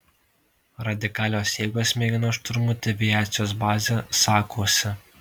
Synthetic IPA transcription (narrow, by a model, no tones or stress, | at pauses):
ɾɐd̪ʲɪkɑːlʲoːsʲeːɡoːsʲmʲeːɡʲɪnoːʃt̪ɾmut̪ʲɛʋʲɪjæːt̪sʲɪjoːs̬bɑːzʲesɑːkʰoːsʲɪ